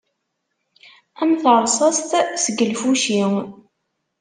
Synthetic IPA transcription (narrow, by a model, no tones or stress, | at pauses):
æmθəɾˤsˤɑst̪səɡəlfuʃi